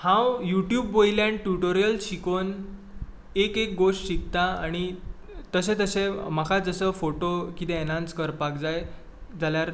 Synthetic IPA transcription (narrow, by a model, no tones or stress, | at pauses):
hãwjuʈjuːbːojljãɳʈuʈoɾijəlɕikon | ekek̚ɡoʂʈɕik̚t̪aaɽ̃i | t̪əsẽt̪əsẽmakʰad͡zəsəfoʈokit̪ẽenãnskəɾpakd͡zaj | d͡zaljaɾ